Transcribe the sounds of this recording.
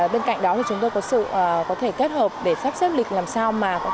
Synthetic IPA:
ɓe˧nka̰˧˨jŋ̟ɗɔ˨˦t̪ʰi˨˩t͡ɕʊ˨˦ŋ͡mt̪o˧jkɔ˨˦sɨ̰ː˧˨˩kɔ˨˦t̪ʰe˧˩ke˦˥t̚həː˨˩p̚ɗe˧˩faː˦˥p̚sə˦˥p̚lï˨˩k̚laː˨˩msaː˧wmaː˨˩kɔ˨˦

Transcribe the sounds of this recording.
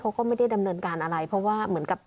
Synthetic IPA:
t̪ʰoː˧˥kɔː˥˩ma˥˩jda˥˩jda˧mnɤː˧nkaː˧nʔa˧ɾa˧jpʰɾɔ˦˥waː˥˩mɯ˩˦ənka˨˩p̚

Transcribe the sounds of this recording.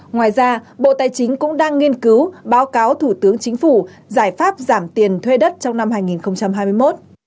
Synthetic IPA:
ŋwaː˨˩jzaː˧ɓo̰˧˨t̪aː˨˩jt͡ɕï˨˦ŋ̟kʊ̰˧˥ŋ͡mɗaː˧ŋːi˧ənkɨ˨˦wɓaː˨˦wkaː˨˦wt̪ʰu˧˩t̪ɨ˨˦əŋt͡ɕï˨˦ŋ̟fu˧˩ | zaː˧˩jfaː˦˥p̚zaː˧˩mt̪i˨˩ənt̪ʰwe˧ɗə˦˥t̚t͡ɕɔ˧wŋ͡mna˧mhaː˧jŋi˨˩nxə˧wŋ͡mt͡ɕa˧mɦaː˧jmɨ˧əjmo˦˥t̚

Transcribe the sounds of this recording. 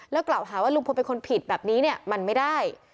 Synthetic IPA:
lɛː˦˥wklaː˨˩wɦaː˩˦waː˥˩lu˧ŋʰ˧pe˧nkʰo˧npʰi˨˩t̪̚bɛː˨˩p̚niː˦˥ni˥˩ɐma˧nma˥˩jdaː˥˩j

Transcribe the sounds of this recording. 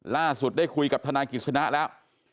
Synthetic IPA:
laː˧˩su˨˩t̚ɗa˧˩jxu˧ka˨˩t̪ʰaː˧naː˧ŋki˨˩sa˧naː˦˥lɛː˨˦˥w

